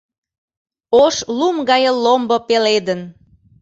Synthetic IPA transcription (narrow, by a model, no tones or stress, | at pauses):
oʃlumɡɑjəlːombopeled̪ən